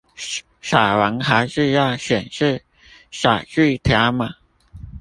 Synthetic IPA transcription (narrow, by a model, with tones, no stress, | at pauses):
ʂa˨˩wa˧˥ŋxa˧˥ɪʂɻ̩˥˧jɑ˥˩ɕɥɛ˨˩nʂɻ̩˥˧˩ | ʂa̰˨˩ʈ͡ʂy˥˧t̪ʰja˧˥ma˨˩